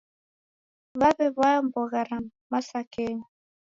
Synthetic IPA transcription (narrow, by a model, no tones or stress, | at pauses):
βaβɛβaam̩bɔɣaɾammasakeɲ